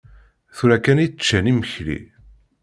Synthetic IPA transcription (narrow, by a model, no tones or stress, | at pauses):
θuɾækæni̥t͡ʃːæniməçlḭ